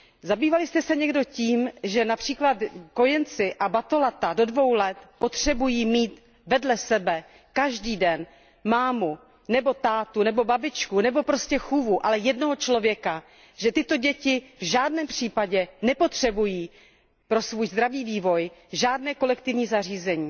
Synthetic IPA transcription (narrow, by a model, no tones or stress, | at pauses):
zabiːvalɪst̪ɛsɛɲɛɡdo̞ciːmʒɛnapr̝̥iːklat̪ko̞jɛnt͡sɪʔabat̪o̞lat̪ado̞dvo̞wlɛt̪po̞t̪r̝̥ɛbujiːmiːt̪ | vɛdlɛsɛbɛ | kaʒdiːdɛn | maːmu | nɛbo̞t̪aːt̪unɛbo̞babɪt͡ʃkunɛbo̞pɾoscɛxuvuʔalɛjɛdnoɦot͡ʃlo̞vjɛka | ʒ̥ɛt̪ɪt̪o̞ɟɛcɪvʒaːdnɛːmpr̥iːpaɟɛnɛpo̞t̪r̝̥ɛbujiː | pɾo̞svuːjzd̪ɾaviːviːvo̞jʒaːdnɛːko̞lɛkt̪ɪvɲiːzar̝iːzɛɲiː